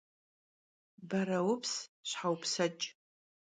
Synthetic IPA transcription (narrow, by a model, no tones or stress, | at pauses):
baɾawʊpʰsɕʷħawpʰsat͡ʃʼ